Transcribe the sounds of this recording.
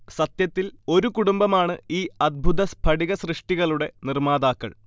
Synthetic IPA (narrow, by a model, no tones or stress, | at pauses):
sɐt̪jɐt̪ːilo̞ɾukuɽumbɐmaːɳɨiːɐd̪̚bʱut̪ɐspʰɐɽiɣɐsrɨʂʈiɣɐɭuɽe̞nirmaːd̪aːkːɐ̰ɭ